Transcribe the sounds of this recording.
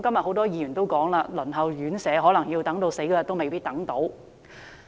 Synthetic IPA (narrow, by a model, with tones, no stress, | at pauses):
kɐ˥mjɐ˨t̚ho˨˥wt̪ɔː˥jiː˨˧jyː˨˩nt̪o˥wkɔː˨˥ŋlaː˧lɵ˨˩nɦɐ˨wjyː˨˥nsɛː˨˥ɦɔː˨˥lɐ˨˩ŋjiː˧wt̪ɐ˨˥ŋt̪o˧wse˨˥jkɔː˧jɐ˨˩t̪o˥wme˨jpiː˥t̚t̪ɐ˨˥ŋt̪o˨˥w